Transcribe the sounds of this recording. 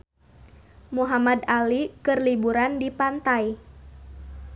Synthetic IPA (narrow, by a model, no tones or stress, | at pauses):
muɦamad̪alikɨrlibuɾandipant̪aj